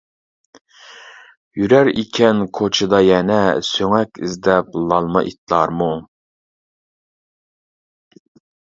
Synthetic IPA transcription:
jyɾæɾikʲʰɛnkʰot͡ʃʰɨd̪ɑjɛnɛsøŋɛkʲizd̪ɛp̚lˠɑlˠmɑ̰ʔḭt̪ʰlˠɑɾmu

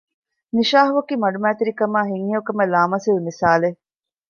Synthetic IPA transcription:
niʃaːɦuʋɐkiːmɐɖumæːt̪iɾikɐmaːɦiŋːiukɐmelaːmɐsiʋmisaːle

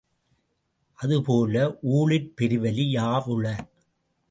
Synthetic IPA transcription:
ʔɐðɯpoːlɐʔuːɭɪɾpɛɾɯʋɐlijaːʔɯɭːɐ

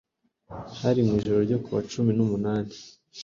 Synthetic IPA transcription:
haɾimŋiːʒo̞ɾo̞ɾɟo̞kuβa̰t͡ʃuminumunaːni

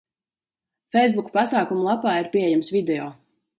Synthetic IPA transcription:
fɛjsbukpasaːkumulˠapaːiɾpʲiejɛmsvid̪ɛjɔː

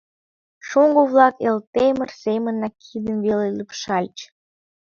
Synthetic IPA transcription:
ʃuŋɡoβlˠɑkelt̪emə̆rsemə̆nːɑkʰid̪əmvelelypʃɑlʲt͡ɕ

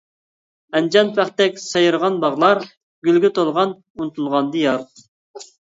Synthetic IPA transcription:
ɛnd͡ʒɑnpʰæχt̪ɛkʲsɑjɾʁɑnbɑʁlˠɑɾ | ɡ̥ʲylɡʲɛt̪ʰolˠʁɑn | unt̪ʰulˠʁɑnd̪ɨjɑɾt̪

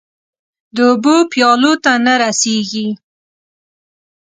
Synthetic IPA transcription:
d̪əʊbopjɑlot̪anaɾaseɡi

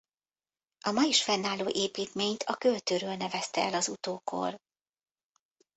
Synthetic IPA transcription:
ʔɒmɒjiʃfɛnːaːlːoːʔeːpiːt̪meːɲt̪ʰɒkølt̪øːɾøːlnɛvɛst̪ɛɛlɒzut̪oːko̞̰r

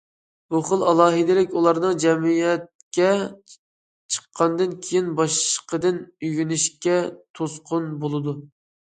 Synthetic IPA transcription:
buχəlˠɑlˠɑːɦɨd̪ɪlɪkʲulˠɑɾnɨŋd͡ʒɛmijɛt̪̚ | kʲɛ | t͡ʃʰə̥qʰːɑnd̪ɨnkʲʰejinbɑʃqəd̪ɨnyɡʲynyʃkʲɛt̪ʰosqʰʊnbolˠɨd̪u

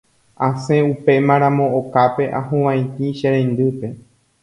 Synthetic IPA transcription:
ãsẽ̞upe̞mãɾ̃ãmõ̞okape̞ʔã̰ɦõʋãj̃t̪iʃeɾẽnd̪ɨpe̞

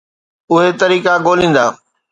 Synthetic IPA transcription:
ʊɦet̪ɐɾiːkaɡoːlĩːnd̪aː

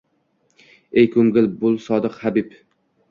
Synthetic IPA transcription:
ejkʰɵŋɡɪlbʊlˠsɒd̪ɨqhabɪp

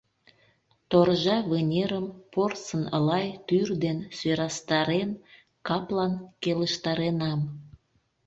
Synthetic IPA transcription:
t̪orʒɑβenʲeɾəmporsənə̰lɑjt̪yrd̪enseɾɑst̪ɑɾen | kɑplɑnkeləʃt̪ɑɾenɑm

